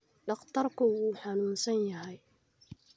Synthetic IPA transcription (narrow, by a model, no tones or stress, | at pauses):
ɖɑχt̪ʰɐrkʊuːħɑnuːnsɐnjɐɦɛj